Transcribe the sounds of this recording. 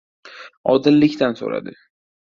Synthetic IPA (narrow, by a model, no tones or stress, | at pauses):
ɒd̪ɪlːɪkʲt̪anso̰ɾa̰d̪ɪ